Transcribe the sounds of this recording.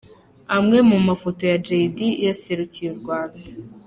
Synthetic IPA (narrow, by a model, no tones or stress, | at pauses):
amŋe̞mumafo̞to̞jad͡ʒeidijaseɾucijuɾɡwaːnda